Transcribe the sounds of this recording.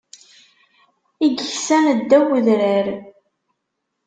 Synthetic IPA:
iɡəçsænəd̪ːæwəðɾəɾ

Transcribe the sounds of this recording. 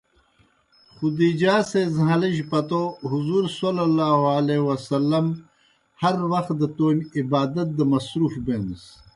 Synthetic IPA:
xud̪id͡ʑaːsezɦaliʑpɐt̪oɦuzuːɾsolɐlaːɦoalewɐsɐlːɐm | hɐɾwɐxt̪̚d̪ɐt̪oːnʲibaːd̪ɐt̪̚d̪əmɐsɾuːfbeːns

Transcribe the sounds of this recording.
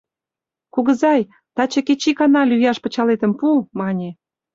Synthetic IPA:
kuɣə̆zɑj | t̪ɑt͡ɕɤ̆ket͡ɕikɑnɑlyjɑʃpə̆t͡ɕɑlet̪ə̆mpumɑnʲe

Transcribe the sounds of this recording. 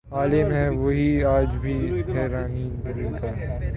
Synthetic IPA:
aːlɪmɦɛʋoːɦiaːd͡ʒbʱiɦɛːɾaːniːdɐɾĩkaː

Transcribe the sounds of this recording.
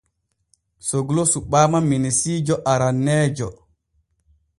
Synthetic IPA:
soɡulosuɓaːmaminisiːd͡ʒɔʔaɾanːɛːd͡ʒɔ

